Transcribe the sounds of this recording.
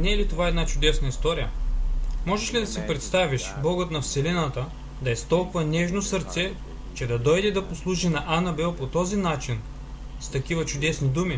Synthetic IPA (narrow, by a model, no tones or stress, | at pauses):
nɛːlit̪ovaɛd̪nat͡ʃʊd̪ɛsnəist̪ɔɾijə | mɔʒɛʃlid̪ɐsipɾɛt̪st̪aviʃblˠɔɡət̪nɐfsɛlinət̪ə | d̪ɐɛst̪ɔlˠkvɐnɛʒnosɐɾt̪sɛ | t͡ʃɛd̪ɐd̪ɔjd̪ɛd̪ɐposlˠuʒinɐʔanɐbɛlˠpot̪ɔzinat͡ʃin | st̪ɐkivɐt͡ʃʊd̪ɛsnid̪umi